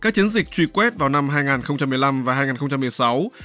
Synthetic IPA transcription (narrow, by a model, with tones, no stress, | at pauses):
kaː˦˥k̚t͡ɕi˨˦nzï˨˩k̟̚t͡ɕwi˧˩kwɛ˦˥t̚vaː˨˩wna˧mɦaː˧jŋaː˨˩nxə˧ŋ͡mt͡ɕa˧mːɨ˨˩əjla˧mvaː˨˩ɦaː˧jŋaː˨˩nxə˧wŋ͡mt͡ɕa˧mːɨ˨˩əjsa˨˦w